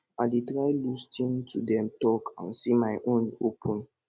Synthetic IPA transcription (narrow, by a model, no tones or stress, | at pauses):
adetɹaɪlustʰĩntʰudɛ̃mtɔkʰã̰nsimaɪʔõnopʰɔ̃n